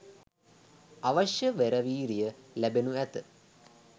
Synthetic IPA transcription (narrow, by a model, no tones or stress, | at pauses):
aʋaʃjəʋeɾəʋiːɾijəlæbenuæt̪ə